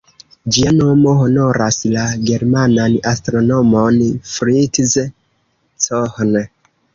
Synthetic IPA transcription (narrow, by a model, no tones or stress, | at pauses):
d͡ʒianomoɦonoɾʔaslaɡe̞ɾmananastɾonomonfɾitz | sohn